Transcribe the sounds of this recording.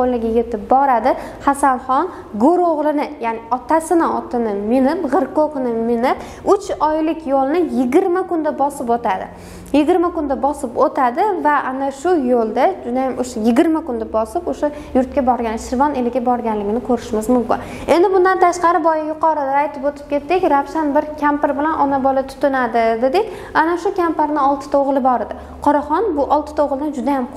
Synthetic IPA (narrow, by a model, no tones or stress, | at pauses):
qolnɪɡʲajʲet̪ɪp̚bɒɾad̪ɪhasanχɒn | ɡoɾoʁlˠɪnɪjaːnɪɒt̪asɪnɪɒt̪ʰɪnɪmɪnɪpʁɨɾkoqnɪmɪnɪp | ʊt͡ʃɒjlɪkʲʰjolˠnɪjɪɡʲɪɾmakʊnd̪abɒsɪpot̪ʰad̪ɪ̰ | jɪɡʲɪɾmakʊnd̪abɒsɪpot̪ʰad̪ɪvaʔanaʃʊjolˠd̪ad͡ʒʊd̪ajamʔoʃajɪɡʲɪɾmakʊnd̪abɒsɪpoʃa | jʊɾt̪̚kʲabɒɾɡʲanɪʃɪɾvɒnelɪɡʲabɒɾɡʲanlɪɡʲɪnɪkʰɵɾɪʃmɪzmʊmkʲɪ̰n | e̞nd̪ɪbʊnd̪ant̪ʰaʃqɑɾɪbɒjɪjʊqɒɾɪd̪aːjt̪ʰɪpot̪ʰɪ̥p̚kʲʰe̞t̪ːɪkʲɾafʃanbɪɾkʲʰampɪɾbɪlanʔɒnabɒlat̪ʰʊ̥t̪ɪnad̪ɪd̪ed̪ɪkʲ | anaʃʊkʲʰampaɾnɪɒlˠt̪ʰɪ̥t̪ʰaoʁlˠɪbɒɾɪd̪ɪ | qʰɒɾaχɒnbʊʔɒlˠt̪ʰɪ̥t̪ʰoʁlˠɪnɪd͡ʒʊd̪ajam